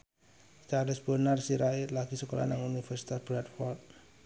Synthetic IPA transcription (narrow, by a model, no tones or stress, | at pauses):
t͡ʃarlɪsb̥ənarsiɾaɪt̪laɡ̥isəkola̰naŋunifɛrsi̥t̪asb̥ɾat̪fɔlt̪̚